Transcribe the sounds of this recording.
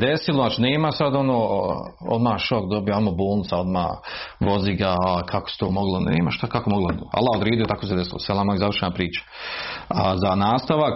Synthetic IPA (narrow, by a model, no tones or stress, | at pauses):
d̪esiloaːt͡ʃineːimasad̪onoːo̰d̪maːʃokd̪o̞bijoamoboːlˠnɪt̪ao̞d̪ma̰ːʋo̞ziɡakʰako̥se̥t̪oːmoɡlˠonḛːmaʃt̪akakomoɡloa̰lˠːaod̪ɾed̪iot̪akoːsed̪esilosalamazaʋər̩ʃenapɾiːt͡ʃḁ | azanaːst̪aʋak